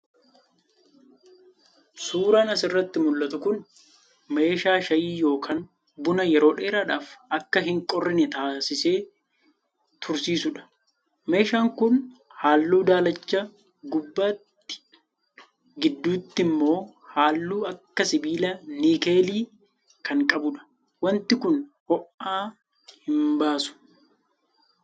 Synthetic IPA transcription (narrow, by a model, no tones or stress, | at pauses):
suːɾaːnɐsɪrːɐt̪ːɪmʊlːɐt̪ʊkʊn | me̞ːʃaːʃɐjiːjo̞ːkʰaːn | bʊnɐjɛɾo̞ːᶑe̞ːɾaᶑaːfɐkːɐɦɪŋkʼɔrːɪnɛt̪aːsɪse̞ː | t̪ʰʊɾsiːsʊᶑɐ̥ | me̞ːʃaːŋkʊnhaːlːuːd̪aːlɐt͡ʃːa | ɡʊbːaːt̪ːɪ̥ | ɡɪd̪ːuːt̪ːɪmːo̞ː | haːlːuːɐkːɐsɪbiːlɐniːkeːliː | kʰɐŋkʼɐbʊᶑɐ̥ | wɐnt̪ɪkʊn | hɔʔaː | hɪmbaːsʊ̥